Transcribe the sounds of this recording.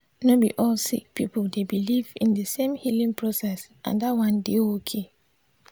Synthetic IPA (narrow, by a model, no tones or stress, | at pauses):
nobḭʔɔlsḭk̚pʰipʰldebilivḭ̃ndɨsẽmhilĩŋpʰɹosɛsʔã̰ndawãndeokʰe